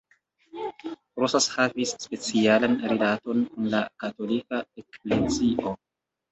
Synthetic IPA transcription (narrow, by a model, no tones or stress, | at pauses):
ɾosashavisːpe̞t͡sialanɾilato̞nkunlakato̞likaekleziʔo